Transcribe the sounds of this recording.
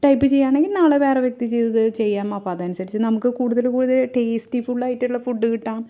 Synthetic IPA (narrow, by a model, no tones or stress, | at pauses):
ʈɐjpːɨt͡ɕe̞jːaːɳeŋɡilnaːɭeʋeːreʋjek̚t̪it͡ɕe̞jt̪ɐðɨt͡ɕe̞jːaːmɐpːoːðɐnusɐɾit͡ɕːɨnɐmukːɨkuːɽuðɐlkuːɽuðɐlʈeːstifuɭːɐjitːuɭːɐfuɖːɨkiʈːaːm